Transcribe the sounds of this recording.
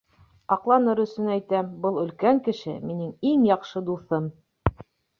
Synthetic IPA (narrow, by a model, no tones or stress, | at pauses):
ɑqlˠɑnɤɾɵ̆sɵnæjt̪æmbɤlˠɵ̆lkæŋkɘ̆ʃɘ̰minɘŋiŋjɑqʃɤd̪uθɤm